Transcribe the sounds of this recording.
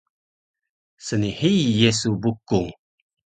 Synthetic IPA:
səniħijesubukːuŋ

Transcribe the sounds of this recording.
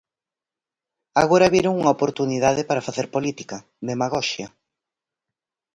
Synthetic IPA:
aɣoɾɐβjeɾoŋuŋɐopoɾt̪uniðaðepaɾafaθeɾpolit̪ikɐ | memaɣɔʃjɐ

